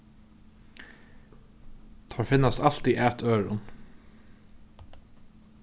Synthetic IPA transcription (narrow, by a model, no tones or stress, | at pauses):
d̪̥əhɑːɹfɪnɑsɑlt̪iʔæt̪ʰøːɹʊ̰n